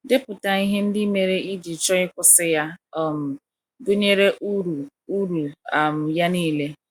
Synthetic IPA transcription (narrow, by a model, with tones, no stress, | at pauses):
dɪ˦pʊ˨ta˨i˦ɦe˦n̩˦dɪ˦me˨ɾe˦ʔi˦di˨t͡ʃɔ˦ɪ˦kʊ˦sɪ˦ja˦˨m̩˨ | dʊ˦ɲe˦ɾe˦ʔu˦ɾu˨ | u˦ɾu˨a˨m̩˨ja˦niː˦le˦